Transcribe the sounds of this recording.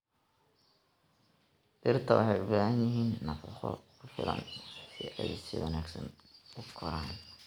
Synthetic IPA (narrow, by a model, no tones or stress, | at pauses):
d̪̥ɪrt̪ʰɐwɑħɑjʊbaːhɐnjɪɦiːnːɐfɑχɔ̰kʰʊfɪ̰lɐ̰nsɪʔɛjsɪwɑnaːɡsɐn | ʊkʰɔɾaːn